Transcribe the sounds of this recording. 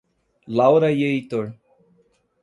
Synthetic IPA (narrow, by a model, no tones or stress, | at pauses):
lawɾajeit̪oɭ